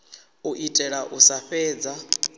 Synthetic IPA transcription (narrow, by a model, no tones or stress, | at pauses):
uʔitʼɛɺaʔusaɸɛːd͡za